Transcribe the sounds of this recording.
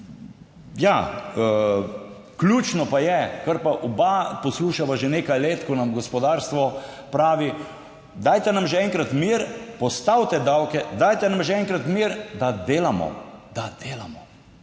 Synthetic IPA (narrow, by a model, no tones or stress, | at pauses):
ja | klʲuːt͡ʃnɔpajɛkəɾpaʔɔbapɔsluʃaʋaʒeneːkajleːt̪kɔnamɡɔspɔd̪aːɾst̪ʋɔpɾaːʋi | d̪aːjt̪ɛnamʒɛɛŋkɾat̪miɾpɔst̪awt̪ɛd̪awkɛd̪ajt̪ɛnamʒɛɛŋkɾat̪miɾd̪ad̪eːlamɔ̰d̪̥ad̪̥eːlamɔ